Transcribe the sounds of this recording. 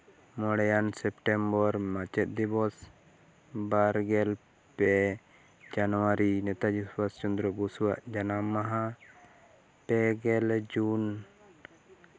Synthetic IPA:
mɔɽɛjansɛpʈɛmbɔɾmat͡ʃɛt̪̚d̪ibɔs | baɾɡɛl | pɛ | d͡ʒanɔwaɾinɛt̪ad͡ʒiswast͡ʃund̪ɾɔbusuwaʔd͡ʒanamaɦã | pɛɡɛld͡ʒun

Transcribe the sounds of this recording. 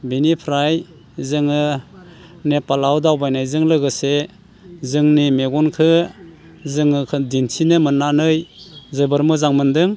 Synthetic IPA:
binipʰɾaj | zɯŋɯ | nepalawdawbajnajzɯŋlɯɡɯse | zɯŋnimeɡɔnkʰɯ | zɯŋɯkʰɯdintʰinɯmɯnːanɯjzɯbɯɾmɯzaŋmɯndɯŋ

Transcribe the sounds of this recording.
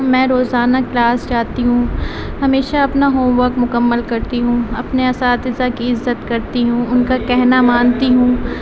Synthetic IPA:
mɛ̃ːɾoːzaːnaklaːsd͡ʒaːt̪iɦũ | hɐmeːʃaɐpnaɦoːmʋəɾkmʊkəmːəlkɐɾt̪iɦũɐpneɐsaːt̪ɪzakiɪzːət̪kɐɾt̪iɦũːʊnkakɛɦnamaːnt̪iɦũː

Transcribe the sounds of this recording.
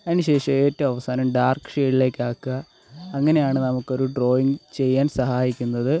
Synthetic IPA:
ɐnːɨɕe̞ːʂɐeːtːɨɐʋɐsaːnɐmɖaːrkʂe̞ːɽile̞ːkːaːkːɨɐː | ŋːɐne̞jaːɳɨnɐmukːo̞ɾuɖro̞ːjiŋɡt͡ɕe̞jːaːnsɐɦaːjikʲːunːɐðɨ

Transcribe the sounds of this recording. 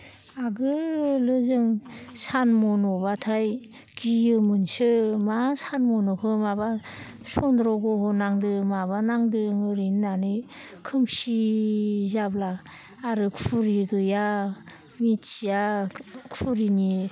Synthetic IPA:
aɡɯlɯzɯŋsanmɔnɔbatʰaj | ɡ̥ijɯmɯnsɯmasanmɔnɔkʰɯmaba | sɔndɾɔɡɔhɔnaŋdɯmabanaŋdɯŋɯɾinːanɯ | kʰɯmsi | zablaː | ɾɯkʰuɾiɡɯja | mitsijakʰuɾini

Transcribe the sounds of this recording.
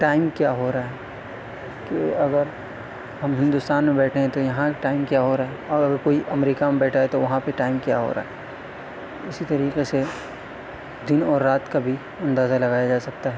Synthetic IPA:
ʈaːɪmkjaːɦoɾaaɦɛː | keɐɡəɾ | ɦɐmɦɪ̃nd̪ʊst̪aːnmẽbɛːʈʰeɦɛ̃t̪ojɐɦãʈaːɪmkjaɦoɾaːɦɛɔɐɡəɾkoːiʔɐmɾiːkamẽbɛːʈʰaɦɛt̪oʋɐɦãpeʈaːɪmkja̰ːɦo̰ɾa̰ːɦɛː | ɪsit̪ɐɾiːqese | d̪ɪnɔːɾːaːt̪kabʱi | ɐ̃nd̪aːzalɐɡaːjad͡ʒaːsɐk̚t̪aɦɛː

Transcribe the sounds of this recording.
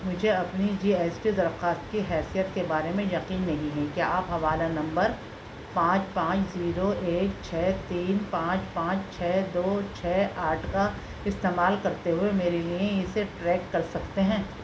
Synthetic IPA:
mʊd͡ʒʱeɐpnid͡ʒiːeːsʈid̪ɐɾxaːst̪̚kiɦɛːsijət̪kebaːɾemẽjɐqiːnːɐɦĩɦɛ̃kjaːaːpɦɐʋaːlanɐ̃mbəɾ | pãːt͡ʃpãːt͡ʃʰziːɾoeːkt͡ʃʰɛːt̪iːnpãːt͡ʃpãːt͡ʃt͡ʃʰɛːd̪oːt͡ʃʰɛːaːʈʰka | ɪst̪eːmaːlkɐɾt̪eɦʊemeːɾeliẽɪseʈɾɛːkːɐɾsɐkt̪eɦɛ̃ː

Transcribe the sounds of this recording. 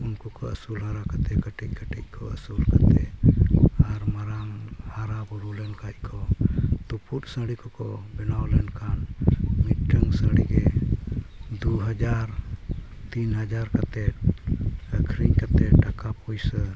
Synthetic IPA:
unkɔkɔə̰sulɦaɾakat̪ɛkəʈic̚kəʈḭc̚ˀkʰɔəsulkat̪ɛ | aɾmaɾamhaɾabuɾulɛnkat̚kʰɔt̪upuʈsəɽikɔkɔbɛnawlɛnkʰanmit̪̚ʈəŋɡsəɽiɡɛ | d̪uɦəd͡ʒaɾ | t̪inɦəd͡ʒaɾkat̪ɛ | əkʰɾiɲkat̪ɛʈakapujsə

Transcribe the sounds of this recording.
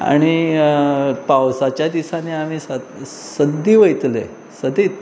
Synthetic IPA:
a̰ɽ̃i | pawsat͡ɕjad̪isaneam̤iːsa | səd̪iːʋəjt̪lḛ | səd̪iːt̪

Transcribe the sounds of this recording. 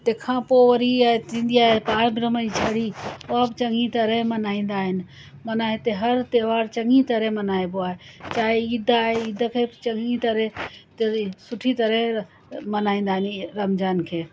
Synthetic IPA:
t̪ekʰãpoəɾiat̪ind̪ijaepaɾbɾəmət͡ʃʰəɽioabt͡ʃəŋɡit̪əɾemənaĩnd̪aen | mənaːet̪eɦəɾt̪eʋaɾt͡ʃəŋɡit̪əɾemənaeboaet͡ʃaiid̪ʱːaeid̪ʱəkʰet͡ʃəŋɡit̪əɾet̪esuʈʰit̪əɾe | mənaĩnd̪aniɾəmd͡ʒankʰe

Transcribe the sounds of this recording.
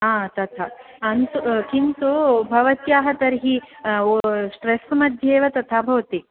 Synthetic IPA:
aːt̪ɐt̪ʰa | ɐnt̪ukint̪ubʱɐʋɐt̪jaːɦɐt̪ɐɾɦi | sʈɾesmɐd̪ʱjeːʋɐt̪ɐt̪ʰabʱɐʋɐt̪i

